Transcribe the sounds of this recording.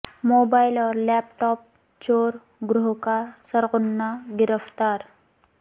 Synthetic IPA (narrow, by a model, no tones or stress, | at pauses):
moːbaːɪlɔːɾlɛːp̚ʈɔːp̚ | t͡ʃoːɾ | ɡɾʊɦkasəɾɣʊnːaɡɪɾəft̪aːɾ